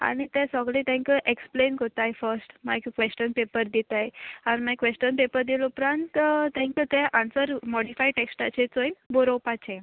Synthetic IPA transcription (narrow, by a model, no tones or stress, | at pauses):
a̰ɽ̃it̪ɛ̃səɡɭet̪ɛ̃ŋkəʔeksplenkot̪ajfəɾsʈmaɡkʋesʈənpepəɾd̪it̪ajanmakʋesʈənpepəɾd̪ilupɾãnt̪t̪ɛ̃ŋkət̪ɛʔãnsəɾmɔɽifajʈeksʈat͡ɕet͡sojnboɾowpat͡ɕẽ